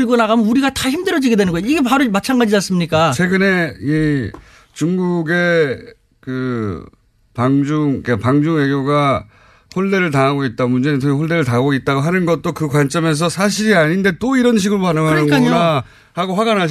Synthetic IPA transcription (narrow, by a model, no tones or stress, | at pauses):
iɡonaɡamjʌnuɾiɡataçimdɯɾjʌd͡ʑiɡe̞dwe̞nɯnɡʌjaiɡe̞paɾomat͡ɕʰaŋɡad͡ʑinas͈ɯmɲik͈at͡ɕʰwe̞ɡɯne̞i | t͡ɕuŋɡuɡe̞ | kɯ | paŋd͡ʑuŋkapaŋd͡ʑuŋe̞ɡjoɡa | ɸoɭde̞ɾɯɭtaŋɦaɡoit̚t͈amund͡ʑe̞nitʰoihoɭde̞ɾɯɭtaɡoit̚t͈aɡoɦanɯnɡʌt̚t͈okɯkwant͡ɕ͈ʌme̞s̬ʰʌsʰaɕ̬ʰiɾiaɲinde̞t͈oiɾʌnɕ̬ʰiɡɯɭpanɯŋɦanɯkanɲoa | haɡoɸwaɡanɦa